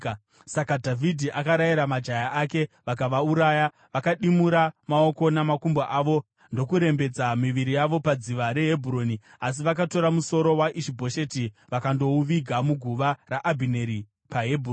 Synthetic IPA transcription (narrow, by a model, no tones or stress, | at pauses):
sakadʱavʱidʱiʔakaɾajiɾamad͡ʒajaʔake̞ʋakaʋauɾaːja | ʋakaɗimuɾamao̞ko̞namakumbaʔaːʋo̞ | ndo̞kuɾe̞mbe̞d͡zamiʋiɾijaʋo̞pad͡ziʋaɾe̞ɦebʱuɾoːni | as̬iʋakato̞ɾamuso̞ɾo̞waʔiʃibʱo̞ʃetiʋakando̞uʋiɡʱamuɡʱuʋaraʔabʱine̞ɾi | paɦebʱuron